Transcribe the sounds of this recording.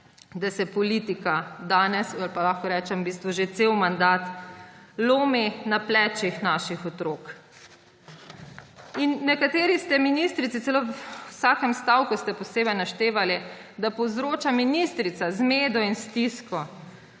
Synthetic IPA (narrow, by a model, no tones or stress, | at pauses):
d̪asɛpɔlit̪ikad̪aːnɛsalpalaxkɔɾɛːt͡ʃɛmbist̪ʋɔʒet̪sewmand̪aːt̪ | loːminaplɛːt͡ʃixnaːʃixɔt̪ɾoːk | inːɛkat̪eːɾist̪ɛminist̪ɾit̪sisɛloːsaːkɛmst̪awkust̪ɛpɔseːbɛjnaʃt̪eːʋali | d̪apɔwzɾoːt͡ʃaminist̪ɾit̪sazmeːd̪ɔinst̪iskɔ